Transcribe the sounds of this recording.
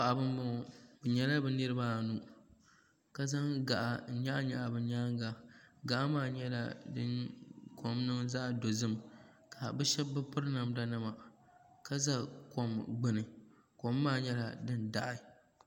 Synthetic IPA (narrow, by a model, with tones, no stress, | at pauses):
a˨ʔa˨bɨ˦m˦bʊ˦˨bɨ˨ɲɛ˦la˦bɨ˨nɨ˦ɾɨ˦baː˦˨nu˦ | ka˦za˦ŋɡa˨ʔa˨˦ɲa˦ɲa˨ʔa˨bɨ˨ɲaː˦ŋ˦ɡa˨ɡa˨ʔa˦maː˦˨ɲɛ˦la̰˨dɨ˦kʰo˨mnɨ˦mza˦ʔdo˨zɨ˦m | kʰa˨bɨ˦ʃɛ˦bːɨ˦pɨ˦ɾɨ˦na˨mda˦nɨ˦ma˨ | ka˦za˦ko˨mɡ͡bɨ˦nɨ˨ | ko˨˦mːaː˦˨ɲɛ˦la˨dɨ˦nda˦ʔɪ˦